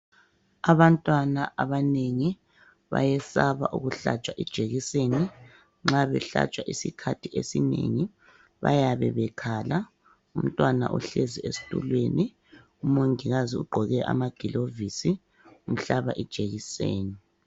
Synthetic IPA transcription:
aβantʼwanaʔaβaneŋi | βa̰jɛsaβaʔuɣuɬat͡ʃʼwaʔid̥ʒ̥ʱeɣiseni | ŋ͡ǁaβɛɬa̰t͡ʃʼwaʔisikʰatʰiʔesinḛŋi | βa̰jaβɛβɛkʰaːla | um̩tʼwana̰ʔṵɬeziesi̥tʼṵlweni | umoŋiɣaziuɡ͡ǃʱɔɣɛʔa̰maɡ̥ʱilovisi | um̩ɬaβaʔid̥ʒ̥ʱeɣiseːni

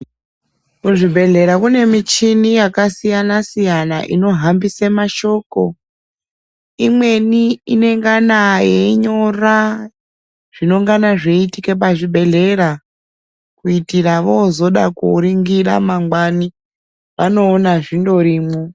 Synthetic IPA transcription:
kuʐibʱe̞ɮe̞ɾakune̞mit͡ʃinijakasijanasijana̰ʔḭno̞ɦambisemaʃo̞ko̞ | imwe̞niine̞ŋɡanajeɲo̞ra | ʐ̥ino̞ŋɡanaʐe̞itike̞p̬aʐibʱe̞ɮe̞ɾa | kuitiraʋozo̞ɗakṵɾiŋɡira̰maŋɡwani | ʋano̞ːnaʐindo̞ɾiːmo

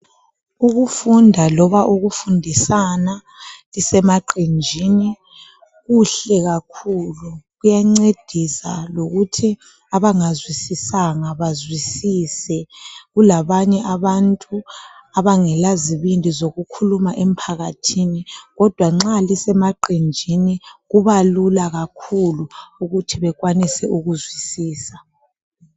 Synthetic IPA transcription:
uɣufundʱalɔβaʔuɣufundʱisana | lisɛmaǃʱind͡ʒʱini | ɣuɬɛɣakʰuluɣujaŋ͡ǀed̥ʱisa̰loɣutʰi | aβaŋazwisisaŋaβazwisisɛɣulaβaɲɛʔaβantʼuaβaŋɛlaziβindʱizoɣukʰulumaʔɛm̩pʰaɣatʰiniɣɔd̥ʱwaŋ͡ǁalisɛmaǃind͡ʒʱiniɣuβalulaɣakʰuluuɣutʰiβɛɣwanisɛʔuɣuzwisiːsa

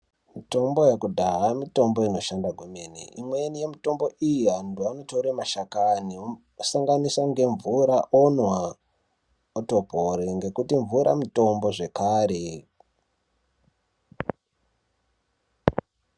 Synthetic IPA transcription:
mito̞mbo̞jakudʱaɦamito̞mbo̞ino̞ʃandaɡʱwemenḭimwenije̞mito̞mbo̞ijiɦantuanotoɾemaʃakani | saŋɡanisaŋɡe̞ɱvuɾaʔonwa | oto̞poɾiŋɡe̞kutiɱvuɾa̰mito̞mbo̞ʐe̞kaːɾe̞

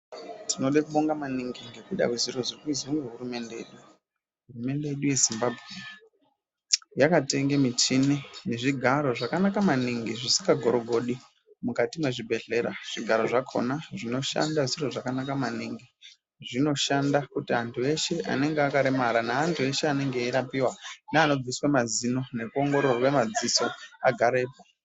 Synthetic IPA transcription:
tino̞ɗekuɓoŋɡamaniŋɡiŋɡe̞kuiɗa̰kwuziro̞zikuizwiŋɡeɦurume̞ndeḛɗu | ɦurume̞nde̞jeɗuje̞zimbabʱɣe | jakate̞ŋɡemit͡ʃineneʐiɡʱaɾo̞ʐakanakamaniŋɡiʐisi̥kɡaɡʱo̞ɾo̞ɡʱo̞ɗi | mukatimweʐibʱe̞ɮe̞ɾaʐ̥iɡʱaɾo̞ʐakʰo̰naʐino̞ʃa̰ndaʐiroʐakanakamaniŋɡi | ʐino̞ʃandakutiantʰue̞ʃe̞ʔa̰ne̞ŋɡeakaɾemaɾanaːntʰue̞ʃeane̞ŋɡe̞iɾapiwanaːno̞d͡ziswamazino̞ne̞kuo̞ŋɡo̞ɾorokwemad͡ziso̞aɡʱaɾeːpo

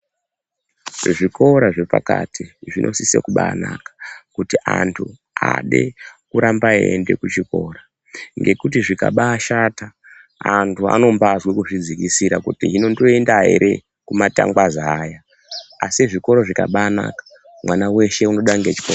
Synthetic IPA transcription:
ʐiko̞ɾaʐe̞pa̰ka̰tiʐinʔo̞̰sisḛkuɓa̰ːnakḁkutiʔantʰu | a̰ɗḛkuɾambaende̞̰kut͡ʃiko̞ɾa | ŋɡe̞kut̬iʐika̰ɓaːʃata | antʰua̰no̞mbazwekuʐid͡zikisiɾakutḭɦino̞ndoendaɦe̞̰ɾʔe | kumata̰ŋɡwazaːja | asiʐiko̞ɾo̞ʐikaɓaːna̰kḁ | mwanawe̞ʃe̞uno̞ɗaŋɡet͡ʃi̥kor

